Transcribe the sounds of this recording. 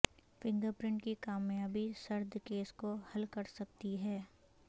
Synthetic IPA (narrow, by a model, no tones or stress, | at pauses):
fɪ̃ŋɡəɾpɾɪ̃ɳʈkikaːmjaːbʱisɐɾd̪ʱkeːskohɐlkɐɾsɐk̚t̪iɦɛː